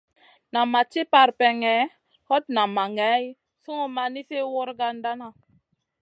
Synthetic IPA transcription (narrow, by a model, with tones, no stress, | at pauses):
na˨mːa˨t͡ʃi˦pa˨ɾpɛ˨ŋɛ˨˦ | hɔ˦t̚na˨ma˨ŋɛ˨˦j | su˦ŋo˦ma˨ni˦se˦wo˦ɾɡa˦nda˦na˨